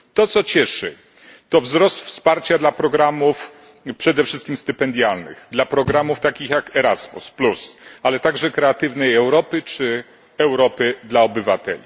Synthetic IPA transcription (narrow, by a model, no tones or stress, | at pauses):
t̪ɔt̪sɔt͡ɕɛʂɘ̰ | t̪ɔvzɾɔst̪fspaɾt͡ɕad̪lapɾɔɡɾamuf | pʂɛd̪ɛfʂɘst̪kʲimst̪ɘpɛnd̪ʲjalnɘ̰ɣd̪lapɾɔɡɾamuft̪akʲixjakɛɾazmṵsplusalɛt̪aɡʐɛkɾɛat̪ɘvnɛjɛwɾɔpɘt͡ʂɘ | ɛwɾɔpɘd̪laɔbɘvat̪ɛ̰lʲi